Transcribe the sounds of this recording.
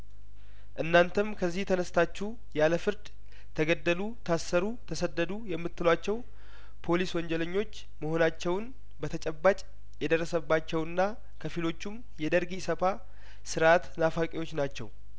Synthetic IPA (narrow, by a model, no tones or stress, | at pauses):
ʔɨnːant̪ʰəmkʰəzːiht̪ʰənəst̪ʰat͡ʃːu | jaləfɨɾd̪ | t̪ʰəɡəd̪ːəlut̪ʰasːəɾut̪ʰəsəd̪ːəd̪ujɛmːɨt̪ːɨlat͡ʃːɛw | pʰo̞liswɔɲd͡ʒɛləɲːo̞t͡ʃː | məho̞nat͡ʃːɛwn | bət̪ʰət͡ʃʼɛbːat͡ʃʼ | jɛd̪ərːəsəbːat͡ʃːɛwɨnːa | kʰəfilo̞t͡ʃːum | jɛd̪əɾɡisəfa | sɨɾʔat̪nafakʼewo̞t͡ʃːnat͡ʃːɛ̰w